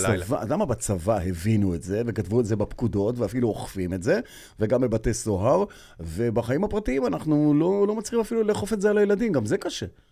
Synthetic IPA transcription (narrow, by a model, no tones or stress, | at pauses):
ovaadamabat͡savahe̞vinuetze̞vekatvuetzebapkudo̞tveafiluoχfimetze̞ | veɡamebatesoɦaʁ | ve̞baχaimhapʁatiimanaχnulolomat͡siimafiluleːχofetzealajeladimɡamzekaʃe